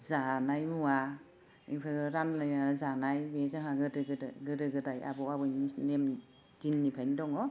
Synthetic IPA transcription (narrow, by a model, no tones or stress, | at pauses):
zanajmua | ipʰɯɡɯɾanlajanazanajmezaŋaɡɯdɯɡɯdɡɯɾɯɡɯdaja̰bɔabɯinem | zinːipʰajnidɔŋɔ